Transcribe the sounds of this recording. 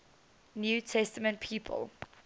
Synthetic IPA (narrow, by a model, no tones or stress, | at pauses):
njuːtʰɛstəmə̃nt̚pʰiːpʰə̰lˠ